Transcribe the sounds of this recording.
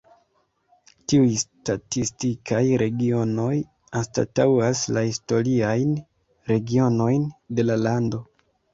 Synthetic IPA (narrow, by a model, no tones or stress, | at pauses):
tiujstatistikʰajɾʔe̞ɡio̞no̞j | ansta̰tawaslahisto̞ɾiajn | ɾe̞ɡio̞no̞jnde̞lalando̞